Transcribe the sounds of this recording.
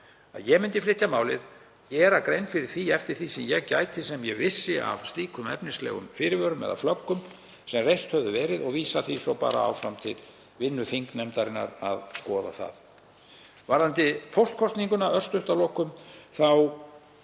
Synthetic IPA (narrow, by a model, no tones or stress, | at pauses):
a̰ðjɛmɪnt̪ɪflɪht̪jamaːwlɪ̰ð | cɛːɾakɾejnfɪɾɪɾ̥θiɛft̪ɪɾ̥θisɛmjɛɣca̰ːjt̪ɪsɛmjɛvɪsːɪa̰v̥st̪liːkʰʏmɛ̰pnɪslɛ̰ːɣʏ̰mfɪːɾɪvœːɾʏmɛ̰ða̰flœkːʏm | sɛmrejst̪hœvðʏvɛːɾɪðɔɣviːsaθisɔpa̰ːɾa̰a̰wfɾamt̪ʰɪl | vɪnːʏfiŋknɛmt̪aɾɪnːa̰ɾa̰ðskɔːða̰θa̰ð | vaɾðant̪ɪpʰɔwst̪̚kʰɔst̪niŋkʏnaʔœr̥st̪ʏht̪alɔːkʏmθaw